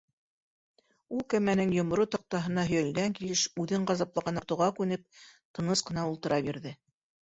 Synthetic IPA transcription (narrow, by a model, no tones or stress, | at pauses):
ulˠkæmænɘŋjŏmŏɾut̪ɑ̆q̚t̪ɑɦɤ̆nɑɦɵ̆jæ̆lɡæŋkilɘʃʉðɘɴɢɑzɑplˠɑʁɑnŏɾt̪ɤ̆wʁɑkʉnɘp̚t̪ɤ̆nɤsqɤ̆nɑulˠt̪ɤ̆ɾʔɑbjiɾðɘ